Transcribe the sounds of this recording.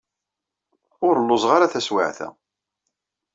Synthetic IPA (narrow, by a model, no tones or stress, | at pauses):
ʊɾəlːʊzˤʁaɾaθæswa̰ʕθæ̰